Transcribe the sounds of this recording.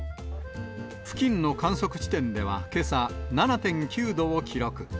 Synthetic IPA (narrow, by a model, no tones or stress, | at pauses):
ɸɯ̥kʲĩnno̞kãɰ̃so̞kɯ̟̥t͡ɕi̥t̪ẽ̞nd̪e̞βa̰ke̞sananat̪ẽ̞ŋkʲɨːd̪o̞ːkʲiɾo̞kɯ̟